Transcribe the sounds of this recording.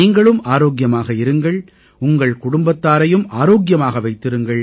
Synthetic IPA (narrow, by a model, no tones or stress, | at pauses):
iːŋɡɐɭɯmaːɾoːɡjɐmaːɣɐɪɾɯŋɡɐɭ | ʊŋɡɐɭkʊɽʊmbɐt̪ːaːɾɐjɯmaːɾoːɡjɐmaːɣɐʋɐɪt̪ːɪɾɯŋɡɐɭ